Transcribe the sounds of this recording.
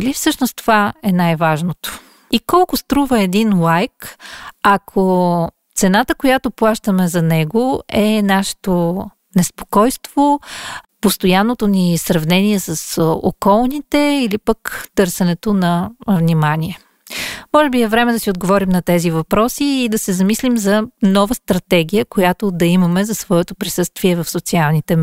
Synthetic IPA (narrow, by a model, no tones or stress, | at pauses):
lifsɤʃnost̪ovaɛnajvaʒnot̪o̥ | ikɔlˠkʊst̪ɾuvɐɛd̪inlˠajk | ɐkʰo | t̪sɛnat̪əkojat̪oplˠaʃt̪əmɛzɐnɛɡoɛnaʃɛ̥t̪o | nɛspo̥kɔjst̪vopost̪ojanːot̪onisɾɐvnɛniɛsɐso̰kɔlˠnit̪ɛilipəkt̪ɤɾsɛnɛt̪onɐvnimanʲiɛ | mɔʒɛbiɛvɾɛmɛd̪ɐsiod̪ɡovɔɾimnɐt̪ɛzivɐpɾɔsiːd̪ɐsɛzɐmislimzɐnɔvəst̪ɾɐt̪ɛɡ̟ijəkojat̪od̪ɐimɐmɛzɐsvɔɛt̪opɾisɤst̪viɛvɐfsot̪sialˠnit̪ɛ